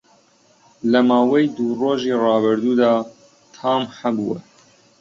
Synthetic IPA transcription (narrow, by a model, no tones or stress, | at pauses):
lɐmɑːwɛjd̪uːroːʒiːrɑːbɨɾd̪uːd̪ɑː | t̪ʰɑːmhɐbuwɛ